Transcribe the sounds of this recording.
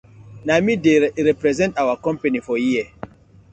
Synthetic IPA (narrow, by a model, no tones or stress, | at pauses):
namideɾɛpɾɛzɛ̃ntawakɔ̃mpenifɔjiə